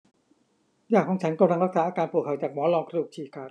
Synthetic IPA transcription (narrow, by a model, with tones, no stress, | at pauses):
jaː˨˩k̚ʰːɔ˨˩˦ŋt͡ɕʰa˩˦˥nkɔ˧ɾa˧ŋɾa˦˥k̚sa˩˦˥ʔːkaː˧npu˨˩kʰːa˨˩t͡ɕaː˨˩k̚mɔː˨˦˥lɔː˧ŋkʰɾuː˧˩t͡ɕʰiː˨˩kʰaː˧˩